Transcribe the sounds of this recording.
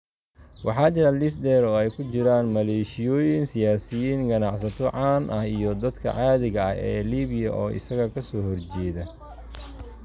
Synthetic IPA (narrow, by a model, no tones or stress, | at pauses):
wɑħɑːt͡ʃɪɾɐlɪsd̪ɛːɾɔːɛjkʰʊt͡ʃɪɾaːnmɐlɛːʃɪjɔːjɪnsɪjaːsɪjiːŋɡɐnɑʕsɐt̪ʰɔʕɑːnʔɐhijɔd̪ɐd̪kʰɐ̰ʕɑːðɪɣɐɐ̰hɛ̰ːliːβɪjɐʔɔːʔɪ̰sɐɣɐkʰɐsɔːhɔrt͡ʃɛːðɐ